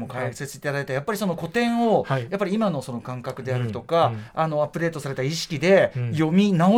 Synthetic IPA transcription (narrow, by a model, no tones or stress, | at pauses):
mo̞kaɯ̥se̞t͡sɨi̥t̪ad̪aet̪ajapːaɾʲiso̞no̞ko̞t̪ẽ̞ɰ̃o̞japːaɾʲiimano̞so̞no̞kãŋkakɯ̟d̪e̞aɾɯ̟t̪o̞kaano̞apːɯ̟ɾe̞ːt̪o̞saɾe̞t̪aiɕi̥kʲid̪e̞jo̞mʲinao